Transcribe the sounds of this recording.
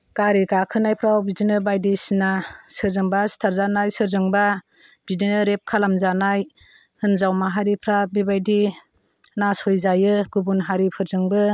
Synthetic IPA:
kaɾiɡakʰɯnajpʰɾawbidinɯbajdisnasɯɾzɯŋbastʰaɾzanajsɯɾzɯŋba | b̥idinɯɾep̚kʰalamzanaj | hɯnzawmaɦaɾipʰɾabibajdi | nashɔjzajɯɡubunɦaɾipʰɯɾzɯŋbɯ

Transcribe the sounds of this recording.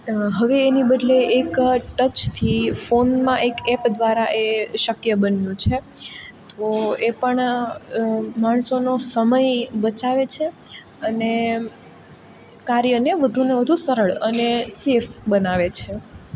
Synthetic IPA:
ɦəʋeːnibəd̪leekʈət͡ʃt̪ʰifonmãʔekɛpd̪ʋaɾaʔeʃəkjəbənjũt͡ʃʰett̪oepəɳ | maɳsonosəməjbət͡ʃaʋet͡ʃʰe | əne | kaɾjəneʋəd̪ʱuneʋəd̪ʱusəɾəɭənesefbənaʋet͡ʃʰe

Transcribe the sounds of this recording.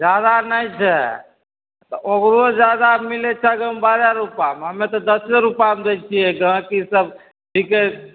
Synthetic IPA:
d͡ʒjad̪anəĩt͡ʃʰɛ | t̪ɔoɡɾod͡ʒjad̪amilet͡ʃʰaɡəmbaːɾjaɾupamɦəmẽt̪ɔd̪əseɾupamd̪et͡ʃʰiɛɡəɦãkisəb | ɖʱike

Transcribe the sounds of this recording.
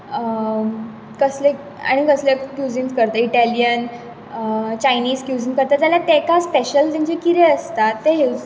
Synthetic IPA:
ə | kəsle | a̰ɽ̃ikəslekjud͡ziŋskəɾt̪əiʈælijən | t͡ɕainiːd͡zkjud͡ziŋkəɾt̪at̪jalat̪ekaspeɕəlt̪ãɲt͡ɕekiɾeəst̪at̪ːeɦe

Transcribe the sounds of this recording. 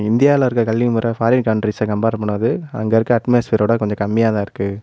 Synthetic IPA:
ɪnd̪ɪjaːɪlãɪɾɯkːɐkɐɭːimuːɾɐfaːɾɪnkɐʊɳʈɾisɐkɐmbaːɾɐpːɐɳːɐðɯɐ̰ŋɡɐɪɾɯkːɯɐʈmɐjɐsfiːɾoːɽɐkɔɲd͡ʒɔ̃kɐmːɪjaːt̪ãːɪɾɯkːɯ

